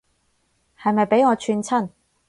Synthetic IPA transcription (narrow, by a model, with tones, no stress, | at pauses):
hɐ˨jmɐ˨jpe˨˥jŋɔː˨˧t͡ʃʰyː˧nt͡sʰɐ˥˩n